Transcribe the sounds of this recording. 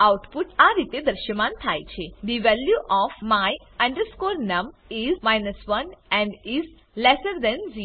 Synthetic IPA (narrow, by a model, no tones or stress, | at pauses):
awʈpuʈaɾit̪ed̪əɾʃjəmãːnt̪ʰajt͡ʃʰed̪iʋɛljuʔɔfmaj | ãɳɖəɾskoːɾnɐ̃mizmajnəsʋɐnɛ̃ɳɖiz | lɛsəɾd̪ɛ̃nziɾo